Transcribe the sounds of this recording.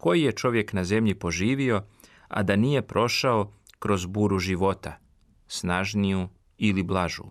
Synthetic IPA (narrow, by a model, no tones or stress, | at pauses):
ko̞jije̞t͡ʃo̞ʋje̞knaze̞mʎipo̞ʒiːʋio̞ | a̰d̪aniːje̞pɾʔo̞ʃao̞kɾo̞zbuːɾuʒiʋo̞t̪a | snaʒniju | iliblˠaʒṵ